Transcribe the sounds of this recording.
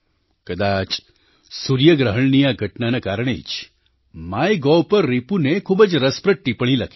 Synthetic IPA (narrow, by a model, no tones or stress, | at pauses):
kəd̪at͡ʃ | suɾjəɡɾəɦəɳnijaɡʱəʈnanakaɾəɽ̃ḛt͡ʃ | majɡɔpəɾːipunekʰubəd͡ʒɾəspɾəʈːipəɽ̃iləkʰi̥